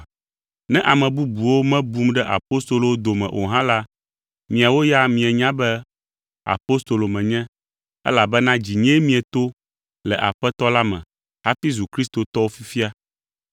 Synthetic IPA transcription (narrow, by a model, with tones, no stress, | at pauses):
nɛ̃˦ʔa˨mɛ̃˨bu˦bu˨wo˦mɛ̃˦bu˦mɖɛ˦ʔa̰˨po˦st̪o˨lo˨wo˦d̪o˨mɛ̰̃˨ʔo̰˨ɦã˦la˦ | mĩ˨a˨wo˦ja˦mĩ˨ɛ˨ɲã˦bɛ˦ | a̰˨po˦st̪o˨lo˨mɛ̃˨ɲɛ̃˦ | ɛ̰˦la˨bɛ˦nã˦d͡ʑi˨ɲɛ̃˦mĩ˦ɛ˨t̪o˦ | lɛ˨ʔa˨ɸɛ˦t̪ɔ˦la˦mɛ̰̃˨ | ɦa˦fi˦zu˨kɾi˦st̪o˨t̪ɔ˦wo˦fi˦fi˦a˦